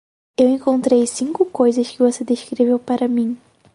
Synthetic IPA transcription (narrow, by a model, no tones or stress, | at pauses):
ewẽŋkõnt̪ɾejsĩŋkʊkojzɐskɪvosed̪eʃkɾevewpaɾɐmĩ